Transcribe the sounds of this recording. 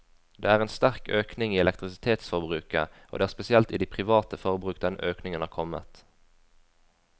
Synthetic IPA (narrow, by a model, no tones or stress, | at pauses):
d̪̥ḛːæːʁeːnst̪æʁkøːknɪŋiːɛlɛkt̪ʁɪsɪt̪ʰeːt̪sfɔʁbʁʉːkə̰ʔo̰ːd̪eːæːʁspɛsɪɛlt̪iːd̪iːpʰʁɪʋɑːt̪əfɔʁəbʁʉːkd̪ɛnøːknɪŋənhɑːʁkʰɔmə̰t̪